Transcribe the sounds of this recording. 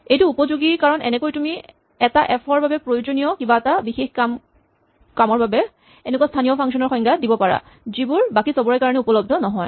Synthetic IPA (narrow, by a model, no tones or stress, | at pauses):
ejtuːpɔzuɡikaɹɔnɛ̰nɛkojtumi | ɛtaʔɛpʰɔɹbabɛpɹojozonijɔkibaɛtabixexkam | kamɔɹbabɛ | ɛnɛkuwastʰanijɔpʰaŋksɔnɔɹxɔjŋɡʱadibɔpaɹa̰ | zibuɹbakisɔbɔɹajkaɹɔnɛupɔlɔb̚dʱɔnɔɦɔj